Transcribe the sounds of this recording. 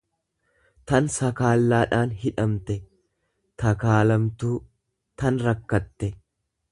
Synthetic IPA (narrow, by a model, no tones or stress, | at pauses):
t̪ɐnsɐkaːlːaːᶑaːnɦɪᶑɐmt̪ɛ | t̪ɐkaːlɐmt̪uː | t̪ɐnɾɐkːɐt̪ːɛ